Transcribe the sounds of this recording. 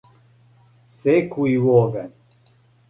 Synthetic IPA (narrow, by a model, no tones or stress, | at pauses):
sekʰuiwoːvɛn